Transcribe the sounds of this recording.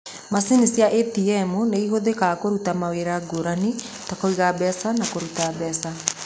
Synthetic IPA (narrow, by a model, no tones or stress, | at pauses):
masinisiaʔɛtiɛmuneihoðekakoɾutamaweɾaɡoɾani | takoiɣabɛsanakoɾutabɛsa